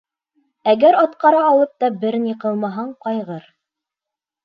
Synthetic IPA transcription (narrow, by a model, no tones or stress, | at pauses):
æɡæɾɑt̪qɑɾɑːlˠɤp̚t̪ɑbɘɾniqɤlˠmɑɦɑɴqɑjʁɤɾ